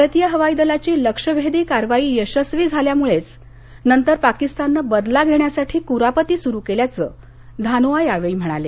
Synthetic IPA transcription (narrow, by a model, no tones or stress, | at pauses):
əɾət̪jəɦəʋaid̪əlat͡ɕiːləkʂəbʱed̪iːkaɾʋaiːjəɕəsʋiːd͡zʱaljamuɭet͡s | nənt̪əɾpakist̪anːəbəd̪laɡʱeɳjasaʈʰiːkuɾapət̪iːsuɾukeljat͡səː | d̪ʱanoʋajaʋeim̤əɽ̃a̰le